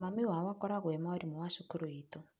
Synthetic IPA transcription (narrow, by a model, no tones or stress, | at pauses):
mamiɦwawakɔɾaɣwemauɾimuwaʃukuɾuiːtɔ